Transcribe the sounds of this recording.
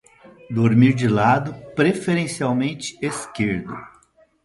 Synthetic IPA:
d̪oɾmiɾd͡ʒɪlad̪ʊpɾefeɾẽsiawmẽnt͡ʃɪ̥eskeɾd̪ʊ

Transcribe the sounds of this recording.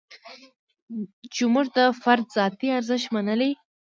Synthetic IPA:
t͡ʃɪmuʐd̪əfaɾd̪zɑt̪iaɾzəʃt̪manəle

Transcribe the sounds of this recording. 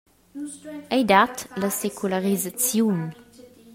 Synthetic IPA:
ʔɛjd̪atləsekʰulaʁizat͡sjun

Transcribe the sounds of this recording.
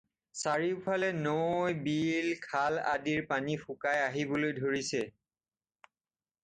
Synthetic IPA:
saɹiʊpʰalɛnojbilkʰala̰diɹpanixʊkajaɦibolojdʱoɹisɛ

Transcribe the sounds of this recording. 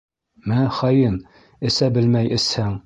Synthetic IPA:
mɘŋχɒjɤn | ɘ̆sæbɘ̆lmæjʔɘ̆shæŋ

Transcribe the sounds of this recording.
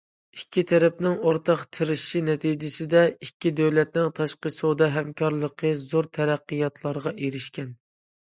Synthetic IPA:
ikʲʰːit̪ʰɛɾɛp̚nɪŋoɾt̪ʰɑqt̪ʰɨɾɪʃʃinɛt̪ʰid͡ʒɪsɪd̪ɛikʲːid̪øwlɛt̪nɪŋt̪ʰɑʃqəsod̪ɑɦɛmkʰɑɾlˠəqʰəzoɾt̪ʰɛɾæqːəjɑt̪ʰlˠɑɾʁɑʔeɾɪʃkʲɛn

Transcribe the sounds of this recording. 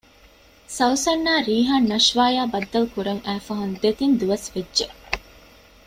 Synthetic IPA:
sɐwsɐnːaːɾiːɦaːnːɐʃʋaːjaːbɐd̪ːɐlkuɾɐŋæːfɐɦund̪et̪ind̪uʋɐsʋedːʒe

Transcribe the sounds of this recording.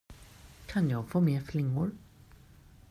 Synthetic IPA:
kʰanjɑːɡfoːmeːflɪŋːʊɾ

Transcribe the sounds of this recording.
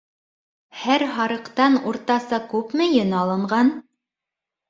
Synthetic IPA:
hæɾɦɑɾɤ̆qt̪ɑnuɾt̪ɑsɑkʉpmɘ̆jɘnɑlˠɤ̆ɴɢɑn

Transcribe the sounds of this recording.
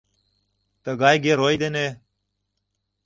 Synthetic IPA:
t̪əɡaːjɡeːɾoːid̪eneː

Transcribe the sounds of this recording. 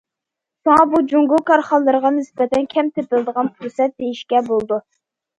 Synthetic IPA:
soŋɑbud͡ʒuŋɡʊkɑɾχɑlˠːɨɾəʁɑnɪsbɛt̪ʰɛnkʲʰɛmt̪ʰɪpɪld̪əʁɑnpʰuɾsɛt̪̚d̪ejiʃkʲɛbolˠd̪u

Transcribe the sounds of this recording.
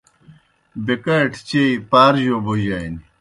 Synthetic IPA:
bekɐʈʰt͡ɕeipaːɾʑoboʑaini

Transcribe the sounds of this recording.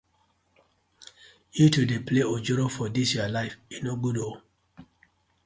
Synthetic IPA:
jutudepleod͡ʒɔɾofɔdisjualaɪfĩnoɡudo

